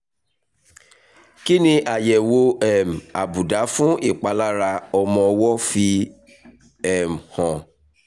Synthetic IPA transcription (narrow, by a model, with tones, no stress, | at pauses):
ki˦nĩ˧ʔa˨jɛ˨wo˧ɛ˦˨m̩˨a̰˨bu˨da˨˦fũ˦ʔi˦˨k͡pa˧˦la˦ɾa˧ɔ˧mɔ̃˧wɔ˦fi˧ | ɛ˦˨m̩˨hɔ̃˨